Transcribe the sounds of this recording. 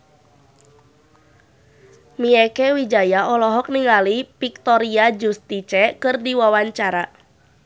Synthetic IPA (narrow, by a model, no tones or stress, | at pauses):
miɛkɛwid͡ʒajaʔɔlɔɦɔk̚niŋalipik̚t̪ɔɾiad͡ʒust̪it͡ʃɛkɨrdiwawaɲt͡ʃaɾa